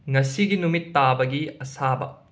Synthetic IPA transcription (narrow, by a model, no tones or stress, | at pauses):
ŋɐsiɡinumit̪ːabɐɡiɐsabɐ̰